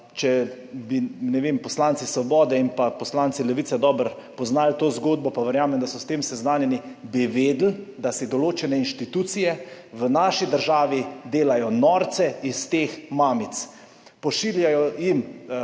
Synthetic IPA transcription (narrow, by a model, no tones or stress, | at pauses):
t͡ʃɛ | binɛʋeːmpɔslant̪sisʋɔbɔːd̪ɛinpapɔslant̪silɛʋitsɛd̪ɔːbəɾ | pɔznaːlt̪oːzɡoːd̪̚bɔpaʋəɾjaːmɛmd̪asɔst̪eːmsɛznaːnjɛnibiʋeːd̪l̩d̪asid̪ɔloːt͡ʃɛnɛinʃt̪it̪uːt̪sijɛ | ʋənaːʃid̪əɾʒaːʋid̪eːlajɔnɔɾt̪sɛist̪eːxmaːmit̪s | pɔʃiːljajɔjim